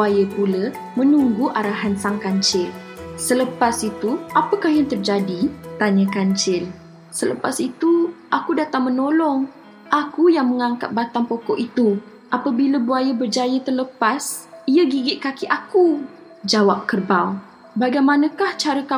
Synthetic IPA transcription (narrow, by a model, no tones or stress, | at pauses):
ajəpulə | mə̃nuŋɡuʔaɾaɦansaŋkaɲt͡ʃɪl | sələpasit̪uʔapəkahjaŋt̪ərd͡ʒadit̪aɲə̃kaɲt͡ʃɪl | sələpasit̪uʔakudat̪aŋmənolɔŋ | ʔakujaŋməŋaŋkat̪̚bat̪aŋpɔkɔʔit̪u | ʔapəbiləbuajəbərd͡ʒajət̪ərləpasiəɡiɡɪʔ̪̚kakiʔaku | d͡ʒawap̚kərbaw | baɡajmanə̃kaht͡ʃaɾəka